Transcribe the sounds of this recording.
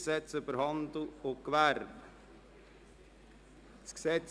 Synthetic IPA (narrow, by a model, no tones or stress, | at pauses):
sɛt̪səfəɾhɑnd̪ʊɔkʋæɾm | sksɛt̪s